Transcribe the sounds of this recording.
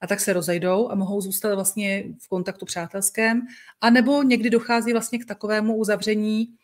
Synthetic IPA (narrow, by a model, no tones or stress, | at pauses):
ʔat̪aksɛɾo̞zɛjdo̞wʔamo̞ɦo̞wzuːst̪at̪vlast̪ɲɛfko̞nt̪akt̪upr̝̥aːt̪ɛlskɛːmʔanɛbo̞ɲɛɡdɪdo̞xaːziːvlast̪ɲɛkt̪ako̞vɛːmuuzavr̝ɛɲiː